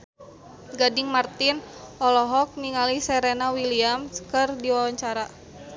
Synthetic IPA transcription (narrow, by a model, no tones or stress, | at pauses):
ɡadɪŋmart̪ɪnʔɔlɔɦɔk̚niŋalisɛɾenawiliamskɨrdiwawaɲt͡ʃaɾa